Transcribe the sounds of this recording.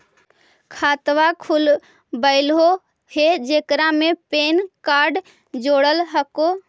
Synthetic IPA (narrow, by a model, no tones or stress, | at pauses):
kʰaːt̪ʋakʰul | bəɪlɦo | hed͡ʒekɾamepeːnkaɾɖ | d͡ʒoːɽəlɦəko